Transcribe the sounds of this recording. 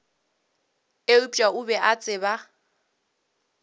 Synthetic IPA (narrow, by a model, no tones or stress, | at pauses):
eʊt͡ʃʼaʊbɛʔat͡sʼɪba